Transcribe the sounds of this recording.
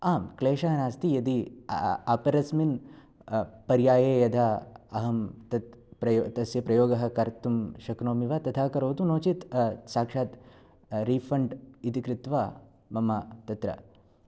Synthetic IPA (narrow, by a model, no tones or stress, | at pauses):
aːmkleːʃɐɦɐnaːst̪ijɐd̪i | ɐpɐɾɐsmin | pɐɾjaːjeːjɐd̪ʱaɐɦɐmt̪ɐt̪pɾɐt̪ɐsjɐpɾɐjoːɡɐɦɐkɐɾt̪umʃɐknoːmiʋat̪ɐt̪ʰaːkɐɾoːt̪unoːt͡ʃit̪saːkʂaːt̪ | ɾiːfɐɳɖit̪ikɾɪt̪ʋaː | mɐmɐt̪ɐt̪ɾɐ̰